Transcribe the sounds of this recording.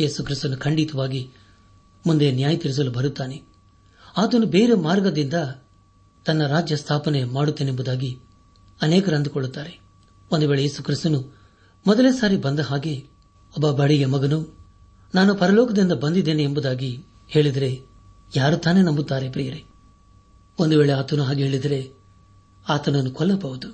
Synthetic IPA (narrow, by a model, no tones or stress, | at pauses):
je̞ːsukɾist̪unukʰɐɳɖit̪ɐʋaːɡi | mund̪enjaːjɐt̪iɾis̬ɐlubɐɾut̪ːaːne | aːt̪ɐnubeːɾemaːɾɡɐd̪ind̪ɐ | t̪ɐnːɐɾaːd͡ʒjɐst̪ʰaːpɐne̞maːɽut̪ːenembud̪aːɡi | ɐneːkɐɾɐnd̪ukɔɭːut̪ːaːɾe̞ | ond̪uʋe̞ːɭejeːsukɾist̪unu | mɔd̪ɐleːsaːɾibɐnd̪ɐɦaːɡe | ɔbːɐbɐɽijɐmɐɡɐnu | naːnupɐɾɐlɔːkɐd̪ind̪ɐbɐnd̪id̪ːeːneːmbud̪aːɡi | he̞ːɭid̪ɐɾe̞ | jaːɾut̪aːne̞nɐmbut̪ːaːɾe̞pɾijɐɾe | ond̪uʋe̞ːɭeaːt̪ɐnuɦaːɡiɦeːɭid̪ɐɾe̞ | aːt̪ɐnɐnːukɔlːɐbɐʋud̪u